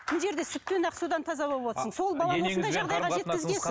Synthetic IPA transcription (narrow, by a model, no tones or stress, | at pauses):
kʰʲɪlʒe̞ɾd̪e̞sʏt̚t̪ːe̞nɑqsud̪ɑnt̪ʰɑzɑbo̞lˠəbwot̪əsəɴso̞lˠbɑlˠɑwoonɑjʒɑʁd̪ɑjʁɑʒe̞t̪kʲɪzɡʲe